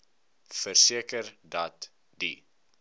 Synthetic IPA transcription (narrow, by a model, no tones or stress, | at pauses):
fərsiəkərdɐt | di